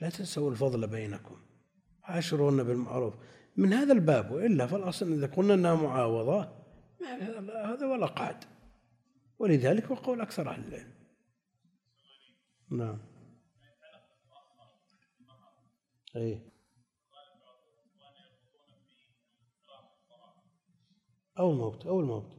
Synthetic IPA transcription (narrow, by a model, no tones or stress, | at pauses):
lat̪asawɪlfɑðˤlabajnakʊm | ʕaʃɪɾˤuːnabɪlma̰ʕɾuːf | mɪnhaːðalbaːbwɪʔɪlːafɑlʔɑsˤnʔɪðakʊlnaʔɪnːahamʊʕɑːwɑðˤɑ | mahaahaːðiwalːaqɑ̰ʕd̪ | wɪlɪðaːlɪkwɑqawlʔakθɑɾˤʕa̰lɪlɪ̰lm | naʕam | ʔeː | ʔawːalmowt̪ʔawːalmowt̪